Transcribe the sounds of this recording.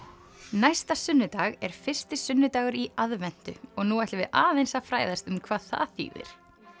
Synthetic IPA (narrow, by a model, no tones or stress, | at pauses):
najst̪asʏnːʏt̪aːɣɛɾ̥fɪr̥st̪ɪsʏnːʏt̪aːɣʏɾiaðvɛn̥t̪ʏ̰ɔɣnuɛht̪lɪvɪðaːðejnsafɾaːjðast̪ʏmkʰvaːθa̰aθḭːvɪ̰ɾ̥